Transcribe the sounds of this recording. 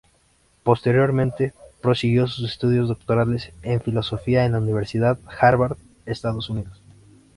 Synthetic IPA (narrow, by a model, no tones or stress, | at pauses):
po̞st̪e̞ɾjo̞ɾmẽnt̪e̞pɾo̞siɣjo̞s̬usest̪uð̞jo̞zðo̞k̚t̪o̞ɾale̞seɱfilo̞so̞fiaenlauniβ̞e̞ɾsiðaðxaɾβaɾð | est̪aðo̞suniðo̞s